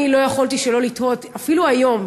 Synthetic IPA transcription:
ilo̞jaχoltiʃelo̞lit̪o̞tafiluajo̞m

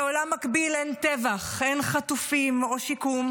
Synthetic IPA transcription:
olamːakbilent̪evaχʔe̞nχat̪ufimo̞ʃikum

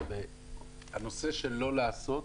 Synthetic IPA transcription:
ve | hano̞se̞ʃe̞lo̞laːso̞

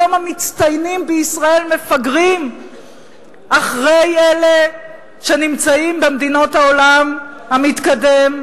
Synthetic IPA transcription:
omhamit͡st̪ajnimbeisʁae̞lmefaɡʁim | ʔaχʁe̞je̞le | ʃe̞nimt͡saimbemd̪ino̞thaolamhamit̪kade̞m

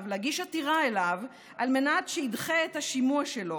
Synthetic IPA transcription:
vleaɡiʃatiʁaelav | ʔalmenatʃeidχeːthaʃimuaʃelo̞

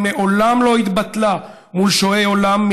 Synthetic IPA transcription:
neʔolamlo̞hit̪bat̪la | mulʃoeolamː

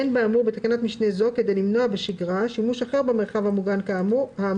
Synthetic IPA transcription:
enbeamuʁbet̪akanat̪miʃnezo̞kedejlimno̞abeʃiɡʁaʃimuʃaχeʁbemeʁχavhamuɡankamha

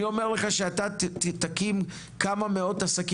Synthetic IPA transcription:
io̞me̞ʁleχaʃeat̪at̪akim | kamame̞o̞t̪asaki

